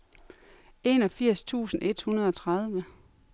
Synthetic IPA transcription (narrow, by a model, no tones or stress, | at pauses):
e̝nɒ̽fiɐ̰st͡sʰṵːsn̩e̝d̥hunɐð̞ˠɒ̽t͡sʰʁað̞ˠʋə